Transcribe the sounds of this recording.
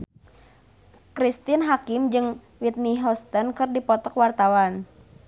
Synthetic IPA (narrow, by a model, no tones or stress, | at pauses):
kɾist̪ɪnɦakɪmd͡ʒɨŋ | wit̪̚niɦɔst̪ənkɨrdipɔt̪ɔkwart̪awan